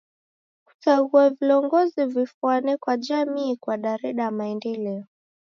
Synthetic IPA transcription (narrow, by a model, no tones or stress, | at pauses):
ku̥taɡuaviɔŋɡɔzivifuanɛkwaʄamiːkwaɗaɾɛɗamaɛndɛlɛɔ